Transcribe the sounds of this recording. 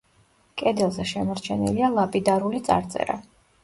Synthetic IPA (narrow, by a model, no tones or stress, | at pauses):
kʼɛd̪ɛlˠzɛʃɛmɔɾt͡ʃʰɛnḭlialˠapʼid̪aɾulit̪sʼa̰ɾt̪sʼɛ̰ɾa̰